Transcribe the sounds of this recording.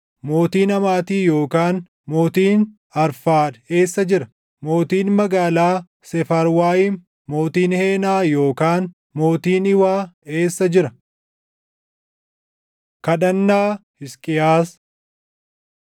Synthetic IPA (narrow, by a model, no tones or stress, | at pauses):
mo̞ːt̪iːnɐmaːt̪iːjo̞ːkaːn | mo̞ːt̪iːn | ɐɾfaːd̪e̞ːsːɐd͡ʒɪɾɐ | mo̞ːt̪iːnmɐɡaːlaː | sɛfɐɾwaːjɪn | mo̞ːt̪iːnheːnaːjo̞ːkaːn | mo̞ːt̪iːnɪwaːe̞ːsːɐd͡ʒɪɾɐ | kɐᶑɐnːaːhɪskʼɪjaːs